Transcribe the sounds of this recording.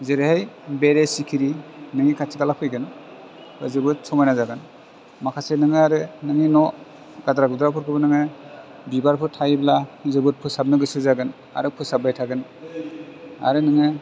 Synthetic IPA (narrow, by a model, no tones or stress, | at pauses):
zeɾɯhajbeɾesikʰiɾinɯŋikʰatʰikalapʰɯjɡɯn | pɯzɯbɯt̚sɔmajnazaɡɯn | makʰasenɯŋɯaɾɯnɯŋinɔ | ɡadɾaɡɯdɾapʰɯɾkʰɯbɯnɯŋɯ | bibaɾpʰɯɾtʰajblazɯbɯt̚pʰɯsab̚nɯɡɯsɯzaɡɯn | a̰ɾɯpʰɯsabajtʰaɡɯn | a̰ɾɯnɯŋɯ